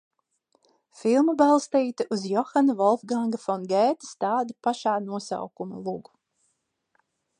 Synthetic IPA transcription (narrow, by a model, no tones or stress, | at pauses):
filˠmabalˠst̪iːt̪ɨʔuzjɔxanavɔlˠfɡaŋɡafɔnɡɛːt̪i̥st̪aːd̪ɨpaʃaːnuɔsa̰wkumɐ̰lˠuɡu̥